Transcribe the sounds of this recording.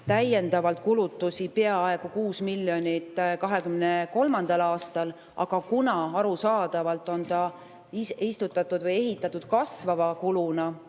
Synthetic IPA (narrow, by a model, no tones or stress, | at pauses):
t̪æje̞nd̪̥ɑvɑlt̪̚kulut̪ːˑusipe̞ɑe̞ɡ̥ukuːsmilːjo̞nʲit̪ːˑkɑɦe̞kymneko̞lmɑnd̪̥ɑlɑːst̪ɑl | ʔɑ̰ɡ̥ɑkunɑɑɾusɑːd̪̥ɑvɑlt̪ːˑo̞nt̪ɑ | isist̪ut̪ːˑɑt̪ːˑud̪vɤjeɦit̪ːˑɑt̪ːˑud̪̥̚kɑsvɑvɑkulunɑ